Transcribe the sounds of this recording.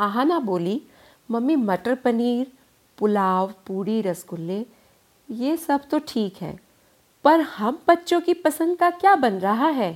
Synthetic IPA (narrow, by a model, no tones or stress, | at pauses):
aɦãnaboːli | mɐmːimɐʈəɾpəniːɾ | pʊlaːwpuːɽiɾɐsɡʊlːe | jesɐbt̪oʈʰiːkɦɛ̰ː | pɐɾhɐmbɐtːʃõkipɐsə̃nd̪̚kakjaːbɐnɾɐɦaɦɛː